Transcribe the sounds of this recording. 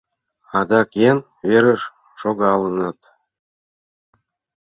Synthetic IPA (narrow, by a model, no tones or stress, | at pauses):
ɑd̪ɑkjen | βeɾəʃ | ʃoɣɑlɤ̆nɑt̪